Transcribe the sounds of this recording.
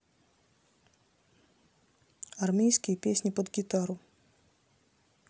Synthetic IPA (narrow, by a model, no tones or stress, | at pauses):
ɐrmʲejskʲɪjəpʲesʲnʲipəd̪ɡʲit̪aɾʊ